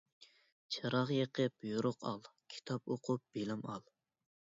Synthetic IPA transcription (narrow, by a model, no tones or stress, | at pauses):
t͡ʃʰɨɾɑʁjeqʰəpjuɾʊqʰɑlˠkʲʰi̥t̪ʰɑpoqʰʊp̚b̥elɪmɑlˠ